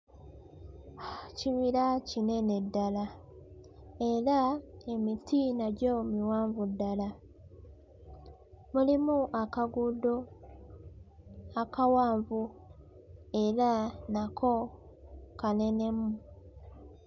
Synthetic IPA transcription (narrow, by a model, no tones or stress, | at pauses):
ciβiɾacine̞ne̞dːala | e̞ɾae̞mitinaɟomiwaːɱvudːala | mulimuʔakaɡudo | akawaːɱvu | e̞ɾanakʰo̞ | kane̞ne̞mu